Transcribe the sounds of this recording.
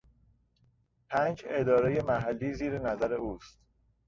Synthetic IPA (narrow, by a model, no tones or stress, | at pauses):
pʰæːnd͡ʒe̞d̪ɒːɾeje̞mæɦælːiːziːɾenæzæɾe̞ʔuːst̪